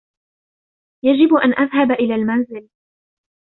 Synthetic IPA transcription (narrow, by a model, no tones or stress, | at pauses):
jad͡ʒɪbʔanʔaðɦabʔɪlaːlmanzɪl